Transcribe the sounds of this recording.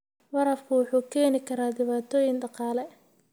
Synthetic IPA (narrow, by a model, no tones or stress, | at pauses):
vɐɾɐfkʰʊwʊħuːkʰɛːnɪkʰɐɾaːd̪ɪβaːt̪ʰɔːjɪŋɖɑqɑːlɛ